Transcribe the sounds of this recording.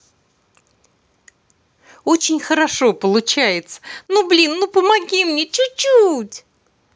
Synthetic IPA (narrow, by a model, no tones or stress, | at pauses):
ot͡ɕɪnʲxəɾɐʂo̞pəlˠʊt͡ɕæjɪt̪sə̥nublʲinːupəmɐɡʲimnʲet͡ɕʊt͡ɕːutʲ